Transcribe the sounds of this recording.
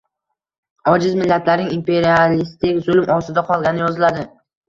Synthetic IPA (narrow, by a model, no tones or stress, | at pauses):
ɒd͡ʒɪzmɪlːat̪ʰlaɾnɪŋimpe̞ɾialist̪ɪkʲzʊlˠmɒsɪd̪aqʰɒlˠɡʲanɪjɒzɪlad̪ɪ